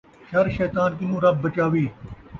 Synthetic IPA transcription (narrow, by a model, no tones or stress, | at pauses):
ʃɐɾʃɛːt̪aːnk̬ɪnũːɾɐb̚ːɐt͡ʃaːʋiː